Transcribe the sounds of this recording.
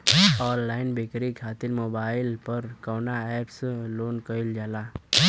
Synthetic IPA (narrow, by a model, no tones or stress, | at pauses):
ɔːnːaːɪnbeːkɾikʰaːt̪ɪɾmoːbaːɪlpɐɾkɔːnaɛːpsloːnkəɪld͡ʒaːlaː